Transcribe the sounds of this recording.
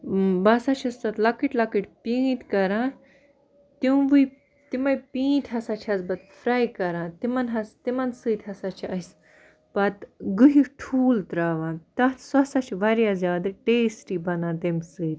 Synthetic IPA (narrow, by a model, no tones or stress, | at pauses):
bɐsɐt͡ʃʰɐst̪ɐt̪lɐkiʈlɐkiʈʲpiːt̪kɐɾãː | t̪iwʋuj | t̪imɐjpĩːt̪ʰɦɐsɐt͡ʃʰɐsbɐt̪fɾajkɐɾãːt̪imɐnɦɐst̪imɐnsɨːt̪ʲhɐsɐt͡ʃʰɐjs | b̥ɐt̪ɡɨɦiʈʰuːlt̪ɾaːʋãːt̪ɐt̪sɐsɐt͡ʃʰʋɐɾjaːzjaːd̪ɨʈeːsʈiːbɐnãːt̪emsɨːt̪